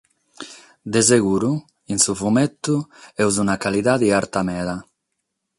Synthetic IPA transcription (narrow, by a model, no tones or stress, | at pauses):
d̪ezeɣuɾu | insufumɛt̪ːuɛwzunakaliðad̪iaɾt̪amɛːða